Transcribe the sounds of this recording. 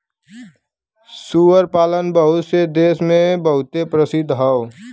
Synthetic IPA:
suwəɾpaːlənbəɦʊt̪sed̪eːsmẽbəɦʊt̪epɾəsɪd̪ɦəʊ

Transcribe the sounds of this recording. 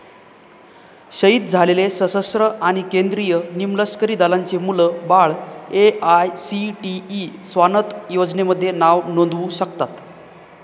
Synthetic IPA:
ɕəiːt̪̚d͡zʱalelesəsəsɾəʔaɽ̃ikend̪ɾijənimləskəɾiːd̪alaɲt͡semuləbaɭeajsiʈiːsʋanət̪jod͡zneməd̪ʱːjenaʋnond̪ʋuɕəkt̪at̪

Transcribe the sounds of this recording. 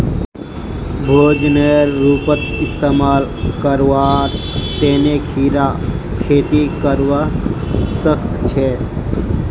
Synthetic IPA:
bʱoːd͡ʒneɾːuːpət̪ɪst̪eːmaːlkəɾwaɾ | t̪eːnekʰiːɾa | kʰeːt̪ikəɾʋa | səkt̪t͡ʃʰe

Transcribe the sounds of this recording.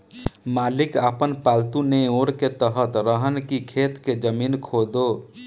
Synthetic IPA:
malikapənpalt̪uneoɾket̪əɦət̪ɾəɦənkikʰet̪ked͡ʒəminkʰod̪o

